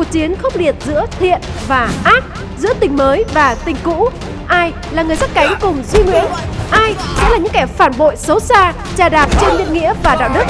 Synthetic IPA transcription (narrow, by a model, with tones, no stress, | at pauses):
u˨˩ək̚t͡ɕi˨˦ənxə˦˥k͡p̚li˨˩ət̚zɨ̰˧˥ət̪ʰḭ˧˨ənvaː˨˩ʔaː˦˥k̚ | zɨ̰˧˥ət̪ï˨˩ŋ̟məː˨˦jvaː˨˩t̪ï˨˩ŋ̟kṵ˧˥ | ʔaː˧j | laː˨˩ŋɨ˨˩jza˦˥t̚ka˨˦jŋ̟kʊ˨˩ŋ͡mzwi˧ŋwḭ˧˥ənʔaː˧jsɛ̰˧˥laː˨˩ɲɨ̰˧˥ŋkɛ˧˩faː˧˩nɓo̰˧˨jsə˨˦wsaː˧ | t͡ɕaː˨˩ɗaː˨˩p̚t͡ɕe˧nlḭ˧˨ənŋḭ˧˥əvaː˨˩ɗa̰ː˧˨wɗɨ˦˥k̚